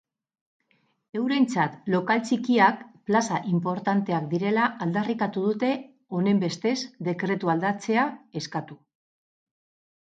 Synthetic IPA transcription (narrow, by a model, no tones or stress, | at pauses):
e̞wɾe̞nt͡sat̪lo̞kalt͡sikiakplasaʔimpo̞ɾt̪ant̪e̞akd̪iɾe̞laʔːld̪arikat̪uð̞ut̪e̞ | o̞ne̞mbe̞st̪e̞zd̪e̞kɾe̞t̪uald̪at͡se̞ae̞skat̪u